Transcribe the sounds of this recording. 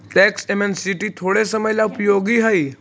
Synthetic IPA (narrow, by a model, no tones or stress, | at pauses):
ʈɛksemensiʈit̪ʰoɽesəməjlaupjoɡiɦəi